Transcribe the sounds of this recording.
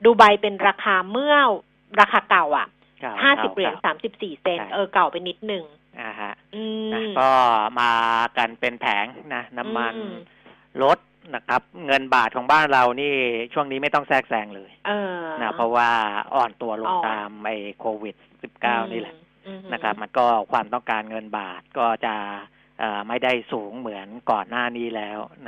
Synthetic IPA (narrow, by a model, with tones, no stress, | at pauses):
duː˧ba˧jpe˧nɾaː˧kʰaː˧mɯ˥˩əw | ɾaː˧kʰaː˧ka˨˩wʔa̰˨˩ʔ | haː˥˩si˨˩p̚ɾi˨˩˦nsaː˩˦msi˨˩p̚siː˨˩se˧nʔɤː˧ka˨˩wpe˧nːi˦˥t̪̚nɯ˨˩ŋ | ʔa˧˩ha˦˥ʔʔɯː˧na˦˥kɔː˥˩maː˧ka˧npe˧npʰɛː˩˦ŋna˦˥na˦˥mːa˧n | lo˦˥t̪̚ | na˦˥kʰa˦˥p̚ŋɤ˧nbaː˨˩t̪̚kʰɔː˩˦ŋbaː˥˩nɾa˧wniː˥˩t͡ɕʰu˥˩əŋniː˦˥ma˥˩jt̪ɔ˥˩ŋsɛː˥˩k̚sɛː˧ŋlɤː˧jːna˦˥ppʰɾɔ˦˥waː˥˩ʔɔ̰ː˨˩nt̪u˧ɐlo˧˦˥ŋt̪aː˧mʔa˧jkʰoː˧wi˨˩t̪̚si˨˩p̚kaː˥˩wniː˥˩lɛ˨˩ʔ | na˦˥kʰɾa˦˥p̚ma˧nkɔː˥˩kʰwaː˧mt̪ɔ˥˩ŋkaː˧nŋɤ˧nbaː˨˩t̪̚kɔː˥˩t͡ɕa˨˩ʔ | ʔɤː˨˩ma˥˩jda˥˩jsuː˩˦ŋmɯ˩˦ənkɔː˨˩nːaː˥˩niː˦˥˩lɛː˦˥wna˦˥